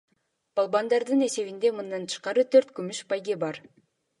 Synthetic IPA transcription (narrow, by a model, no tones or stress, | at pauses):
b̥ɑlˠbɑnd̪ɑɾd̪ɯne̞se̞βind̪e̞mɯnd̪ɑnt̪ʰɯ̥ʃqɑɾɯt̪ʰøɾt̪kymyʃpɑjɡebɑɾ